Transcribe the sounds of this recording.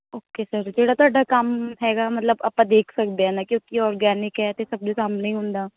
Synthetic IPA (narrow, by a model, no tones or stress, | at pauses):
oːkesəɾd͡ʒeːɽaːt̪ʊaːɖakəmɦɛːɡaːmət̪ləbə̰pãːd̪eːkʰsəkd̪eɦɛːnaːkjõːkiɔːɾɡɛːnɪkɦɛːt̪esəbd͡ʒesaːmneĩːɦʊ̃nd̪aː